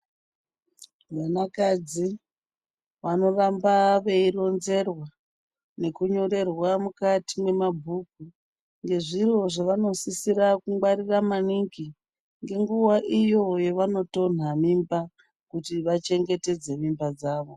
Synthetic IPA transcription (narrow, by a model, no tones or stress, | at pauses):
ʋanakad͡zi | ʋano̞rambaʋe̞iro̞nze̞rwa | ne̞kuɲo̞ɾe̞rwamukatimwe̞mabʱuk̚u | ŋɡe̞ʐiro̞ʐaʋano̞sisirakuŋɡ͡bwaɾiramaniŋki | ŋɡe̞ŋɡuwaʔijo̞jeʋano̞to̞n̤amimba | kutiʋat͡ʃe̞ŋɡe̞te̞d͡ze̞mimbad͡zaːʋo̞